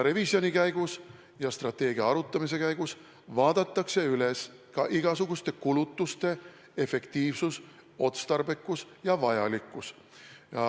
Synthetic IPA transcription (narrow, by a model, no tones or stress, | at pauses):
ɾevisio̞nikæjɡ̥us | jɑst̪rɑt̪ːˑe̞ːɡiɑɑɾut̪ːˑɑmis̬e̞kæjɡ̥us | vɑːd̪̥ɑt̪ːˑɑkse̞yle̞s | kɑʔiɡ̥ɑsuɡ̥ust̪e̞kulut̪ˑːust̪e̞ | e̞fe̞kt̪iːvsus | o̞t̪st̪ɑrbe̞kːˑus | jɑvɑjɑ̰likːˑus | jɑ